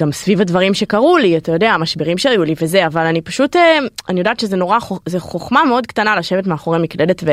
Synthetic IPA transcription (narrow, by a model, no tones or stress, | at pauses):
ɡ̥amsvivhadvaʁimʃe̞kaʁuliatajo̞deaːmaʃbeʁimʃeajulivezeavalanipaʃuteanijodaːt̪ʃezeno̞ʁaχozeχoχmameo̞dkt̪analaʃe̞vetmeaχo̞ʁemikle̞detve